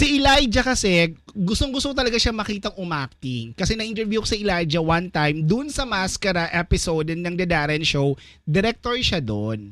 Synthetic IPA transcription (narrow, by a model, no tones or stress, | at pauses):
siʔɪlajd͡ʒɐkɐsɛɡʊst̪oŋɡʊst̪oŋt̪ɐlɐɡaʃamɐkiːt̪ɐŋʔʊmak̚t̪iŋkɐsɛnɐʔint̪ɛɾbjuko̥sɐʔɪlajd͡ʒɐwant̪ajmd̪ʊnsɐmaskɐɾɐʔɛpɪsowd̪ɛnɐŋd̪ɐd̪aːɾɛnʃow | d̪ɛɾɛk̚t̪oɹʃad̪on